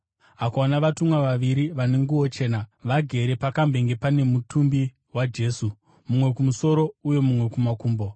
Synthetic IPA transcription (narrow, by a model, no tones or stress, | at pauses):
akonaʋatumwaʋaʋiɾiʋane̞ŋɡuwo̞t͡ʃe̞ːnaʋaɡʱe̞ɾe̞pakambe̞ŋɡe̞pane̞mutumbi | wad͡ʒe̞ːsu | mumwe̞kumuso̞ɾo̞ujo̞mumwe̞kumakuːmbo̞